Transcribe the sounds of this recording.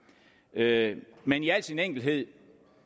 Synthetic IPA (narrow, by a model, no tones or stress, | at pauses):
ømeniæl̰dsʰieneŋ̰ɡ̥l̩ɦe̝ð̰ˠ